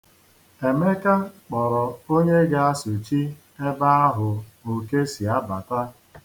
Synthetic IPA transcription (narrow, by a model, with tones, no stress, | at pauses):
e˨me˦ka˦k͡pɔ˨ɾɔ˨o˦ɲe˦ɡa˦a˦su˨t͡ʃi˦ | e˦ba˦a˦ɦʊ˨o˨ke˦si˨a˦ba˨ta˦